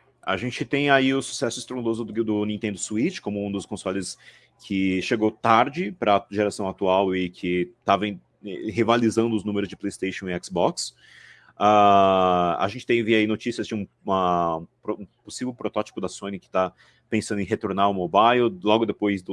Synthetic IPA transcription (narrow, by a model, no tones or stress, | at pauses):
a̰ʒẽt͡ʃɪt̪ẽj̃aiʊsu̥sɛsʊɪst̪ɾõd̪ozʊd̪ʊnĩt̪ẽnd̪ʊsuit͡ʃɪ̥kõmʊũd̪ʊskõsɔlɪs | kʰɪʃeɡowt̪aɾd͡ʒɪpɾɐʒeɾasɐ̃w̃at̪uawɪkʰɪt̪avẽ | ɛɦivalizɐ̃nd̪ʊznũmeɾʊzd͡ʒɪplejst̪ejʃõw̃ɪɛksbɔks | a | a̰ʒẽnt͡ʃɪ̥t̪ẽj̃vɪainot͡ʃisiɐzd͡ʒɪũ | mɐ̃pɾoũposivewpɾot̪ɔt͡ʃi̥pʊd̪ɐsõnɪkɪ̥t̪a | pẽsɐ̃nd̪ẽɦet̪oɾnaɾʊmobajllɔɡʊd̪epojzd̪ʊ